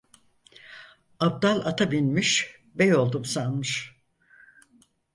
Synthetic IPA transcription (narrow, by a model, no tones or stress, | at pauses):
ab̚d̪alˠat̪ʰabinʲmiʃ | bɛjo̞lˠd̪umsanmɯʃ